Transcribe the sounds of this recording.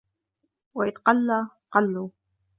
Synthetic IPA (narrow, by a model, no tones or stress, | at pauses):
waʔɪðqɑlːaqɑlːuː